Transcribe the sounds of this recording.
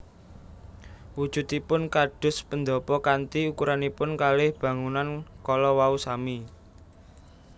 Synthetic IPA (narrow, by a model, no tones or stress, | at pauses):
wud̥ʒ̥ṳt̪ipʊnkaɖ̥ʊ̤spənd̪ɔpɔkant̪iukuɾanipʊnkalɪhb̥ä̤ŋunankɔlɔwausami